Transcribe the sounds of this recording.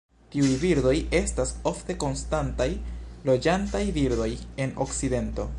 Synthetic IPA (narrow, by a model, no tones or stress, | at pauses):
tiujviɾdo̞je̞staso̞fte̞ko̞nstantajlo̞d͡ʒantajviɾdo̞je̞no̞̰kside̞nto̞